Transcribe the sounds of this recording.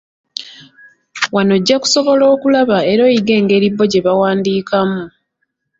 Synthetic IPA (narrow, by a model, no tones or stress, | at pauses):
wano̞ɟːaku̥so̞βo̞lo̞ːkulaβae̞ɾo̞ːjiɡe̞ːŋɡe̞ːɾiβːo̞ɟe̞βawaːndiːkamu